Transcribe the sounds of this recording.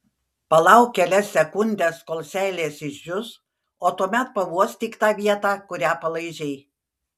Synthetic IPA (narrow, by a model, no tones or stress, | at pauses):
pɐlˠɐʊkʲkʲɛlʲɛsʲːɛkʊnʲd̪ʲeːskoːlˠʲsʲæːlʲeːsɪʃʲjʲʊs | oːt̪uɔmʲɛt̪̚pɐʋuɔst̪ʲɪkt̪ɑːʋʲiɛt̪ɑːkʊɾʲæːpɐlˠɐɪʒʲɛɪ